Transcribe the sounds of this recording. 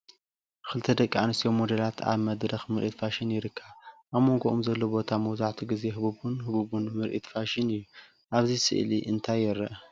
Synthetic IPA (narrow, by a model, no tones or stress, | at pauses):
kʰɨlɨt̪ʰɐd̪ɐkʼːianɨst̪ʰjomːod̪ɐlat̪ʰa̰βmɐd̪ɾɐxmɨɾʔit̪faʃinjɪɾɨkʰːɐβʔaβmo̞ŋɡoʔomzɐlːobo̞t̪ʰamɐwzaʕt̪ʰuɡize̞ɦɨβuβunhɨβuβunmɨɾʔit̪faʃɪnɨjːu | ʔaβzisɨ̰ʔliʔɨnt̪ʰajɪɾːɐʔ